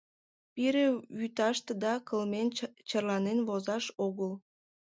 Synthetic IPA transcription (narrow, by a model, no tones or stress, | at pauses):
piɾeβyt̪ɑʃt̪ed̪ɑkəlment͡ɕɑrlɑnenβozɑʃoɣəl